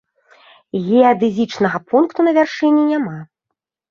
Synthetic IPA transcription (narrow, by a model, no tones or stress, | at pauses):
ɣʲɛad̪ɨzʲit͡ʂnɐɣɐpunkt̪unɐvʲarʂɨnʲːinʲama